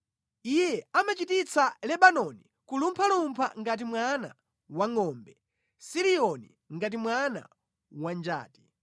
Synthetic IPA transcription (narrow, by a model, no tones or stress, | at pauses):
ijɛamat͡ʃitit͡sʰalɛɓanɔni | kulumpʰalumpʰa̰ŋɡat̬imwana̰ | waŋɔːmbɛ | siɾiɔni | ŋɡat̬imwana̰ | wand͡ʒa̰ːti̥